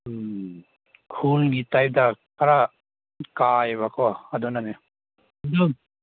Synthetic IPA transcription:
kʰulɡit̪ajp̚d̪akaɾa | kajbakɔad̪ɔnane | d̪ɔ

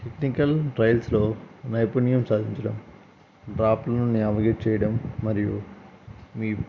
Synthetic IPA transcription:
ʈeknikɐlʈɾɐjlslo̞ːnɐjpunijɐmsaːd̪ʱiɲt͡ʃɐɽɐm | ɖɾaːplɐnunjɐʋɐɡet͡ʃɛːjɐɽɐmːɐɾiju | miː

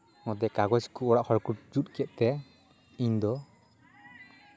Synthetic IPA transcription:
ŋɔd̪ɛkaɡɔd͡ʒkuɔɽaʔhʰɔɾkuʈ̚d͡ʒut̪̚ˀkɛʔ̚t̪ɛ | iɲd̪ɔ

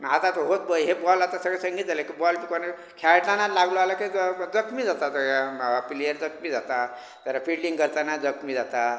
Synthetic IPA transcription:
ɦat̪at̪ɦot̪̚bəiɦebɔlat̪asəɡesəŋɡid͡zalekibɔlpikɔne | kʰaʈlanalaɡlualaked͡zʌkmid͡zat̪at̪əɾapiliəɾd͡zʌkmid͡zat̪a | t̪ʌɾapʰiɽɖiŋɡʌɾt̪anad͡zʌkmid͡zat̪a

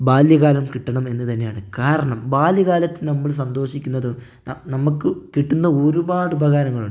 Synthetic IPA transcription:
baːljɐɣaːlɐmkiʈːɐɳɐme̞nːɨt̪ɐnːejaːɳɨkaːɾɐɳɐmbaːljɐɣaːlɐt̪ːinɐmːiɭs̬ɐnd̪o̞ːɕikʲːunːɐðɨ | nɐmːukːɨkiʈːunːɐoːɾubaːɽɨbʱɐɣaːɾɐŋːɐɭuɖ

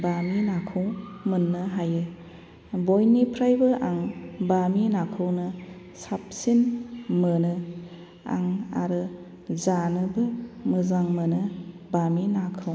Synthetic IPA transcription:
baminakʰɯwmɯnːɯɦajɯ | bojnipʰɾajbɯʔaŋbaminakʰɯwnɯ | sap̚sinmənɯ | a̰ŋa̰ɾɯ | zanɯbɯmɯzaŋmənɯ | baminakʰɯw

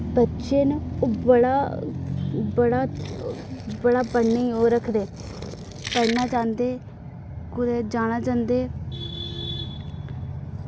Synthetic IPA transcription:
bətːʃeːnːbəɽaː | bəɽaː | bəɽaːpəɳːeoːɾəkʰd̪eː | pənaːt͡ʃãːnd̪eː | kʊd̪ɛːd͡ʒaːñaːt͡ʃãːnd̪eː

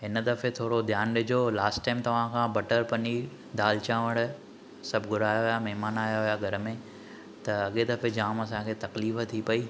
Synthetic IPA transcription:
ɪnd̪ɐfet̪ʰoːɾod̪ʱjaːnɗɪd͡ʑʱolaːsʈʈːaːɪmt̪ɐʋ̤ãkʰãːbɐʈəɾpɐɲi | d̪aːlt͡ɕaːʋəɽ̃ʊ̆ | sɐbʱɡʱʊɾaːjoɦijamɛɦmaːnaːjoɦijaɡʱɐɾmẽ | t̪ɐɐɠed̪ɐfed͡ʑaːmɐsãkʰeːt̪ɐkliːft̪ʰipɐiː

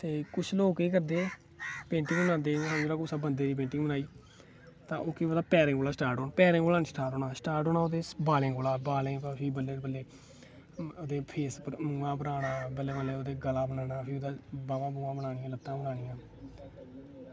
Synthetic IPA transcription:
t̪eːkʊt͡ʃʰloːkiːkəɾd̪eː | pẽːɳʈɪ̃ŋɡbənãːd̪eːə̃md͡ʒeːɾaːkosabənd̪eːd̪iːp̬ẽːɳʈɪŋɡbənaːiː | t̪ãːʔoːkiʋəd̪aːpɛːɾɪ̃ːkoːlaːsʈaːɾʈoːnapɛːɾẽːŋkoːlaːnsʈaːɾʈɦoːnaːsʈaːɾʈɦoːnaːoːd̪eːbaːlẽːkoːlaːbaːlẽːpapʰiːbəlːeːbəlːeː | oːd̪eːpʰeːspmũːãːbəɾaːnaːbəlːeːbəleːoːd̪eːɡəlaːbənaːnaːpʰioːd̪aːbaːãːbuːãːbənaːnɪjãːlət̪ːãːbənaːɽɪjãː

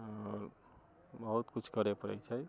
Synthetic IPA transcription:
bʌɦut̪kut͡ʃʰkʌɾepəɾɛ̰jt͡ʃʰʌj

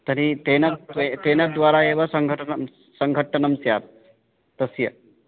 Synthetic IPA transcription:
t̪əɾit̪enat̪et̪enad̪ʋaɾaeʋasəŋɡʱəʈʰənəm | səŋɡʱəʈːənɐmsjaːt̪̚ | t̪əsjə

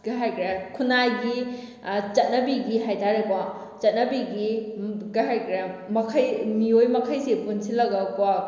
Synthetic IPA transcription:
ɡ̥aɦajkʰɾekʰunajɡi | t͡ʃɐt̚nɐbiɡiɦajtaɾebɔ | t͡ʃɐt̚nɐbiɡiɡaɦajkʰɾemɐkʰɐjmiojmɐkʰajsepunsilɐɡɐkwa

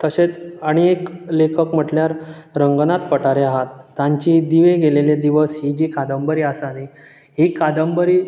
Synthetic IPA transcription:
t̪əset͡səɽ̃eeklekʰəkm̤əʈljaɾɾəŋɡnat̪pəʈaɾeaɦat̪ːãɲt͡ɕid̪iʋeɡeleled̪iʋəsɦid͡ʑiːkʰad̪əmbəɾiːasani | ɦiːkʰad̪əmbəɾiː

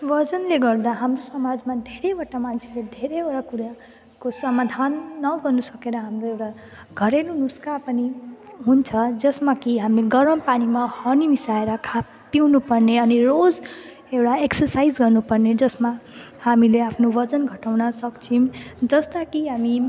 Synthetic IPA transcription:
ʋʌd͡zʌnleɡʌrd̪aɦamrosʌmad͡zmad̪ʱeɾewaʈamant͡sʰeled̪ʱeɾeeɽakuɾa | kosʌmad̪ʱanːʌɡʌrnusʌkeɾʌɦamroewʈa | ɡʱʌɾelunuskapʌniɦunt͡sʰʌd͡zʌsmakiɦamleɡʌɾʌmpanimahʌnimisaeɾʌkʰa | piwnupʌrneʌnirod͡z | ewʈaeksʌrsajd͡zɡʌrnupʌrned͡zʌsma | hamileapʰnobʌd͡zʌnɡʱʌʈawnʌsʌkt͡sʰimd͡zʌst̪akiɦami

